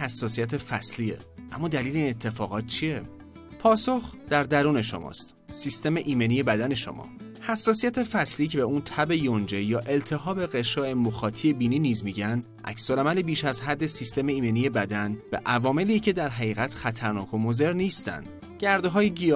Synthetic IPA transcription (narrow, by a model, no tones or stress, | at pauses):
hæsːɒːsijæt̪ʰefæsliḛʔæmːɒːd̪æliːleiːnet̪ʰːe̞fɒːɣɒːt̪̚t͡ʃʰie | pʰɒːso̞xd̪̥æɾd̪æɾuːne̞ʃo̰mɒ̰ːst̪ | sist̪e̞meʔiːme̞nije̞bæd̪æne̞ʃo̰mʔɒ̰ː | hæsːɒːsijæt̪ʰefæsliːcʰebeuːnt̪ʰæbe̞jond͡ʒe̞jɒːʔe̞lt̪ʰe̞ɦɒːbe̞ɣeʃɒːʔemoxɒːt̪ʰije̞biːniːniːzmiɟænd̪ | ʔæ̰csolæmælebiːʃæzɦæd̪ːesist̪e̞meiːme̞niːje̞bæd̪ænbḛʔævɒːme̞liːcʰe̞d̪æɾɦæɣiːɣæt̪ʰxæt̪ʰæɾnɒːkʰo̞moze̞ɾniːst̪æ̰nd̪̥ | ɟ̥æɾd̪eɦɒːjeɡi